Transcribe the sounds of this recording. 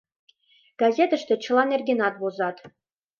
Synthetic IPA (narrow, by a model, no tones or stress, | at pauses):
ɡ̥ɑzʲet̪ə̆ʃt̪ĕt͡ɕɤ̆lˠɑnerʲɡʲenɑt̪̚bozɑt̪